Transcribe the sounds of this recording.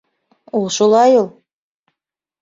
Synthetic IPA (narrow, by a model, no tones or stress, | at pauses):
ulˠʃulˠɑjulˠ